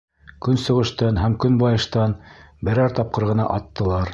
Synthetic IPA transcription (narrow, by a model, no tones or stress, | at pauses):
kɵnsŏʁɤ̆ʃt̪ɑnɦæmkɵnbɑjɤ̆ʃt̪ɑn | bɘ̆ɾɑɾt̪ɑp̚qɤ̆ɾʁɤ̆nɑ̰ʔɑt̪ːɤ̆lˠɑɾ